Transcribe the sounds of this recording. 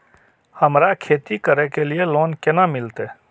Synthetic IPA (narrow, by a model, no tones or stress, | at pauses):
həmɾakʰeːt̪ikəɾekelieloːnkɪnamɪlt̪eː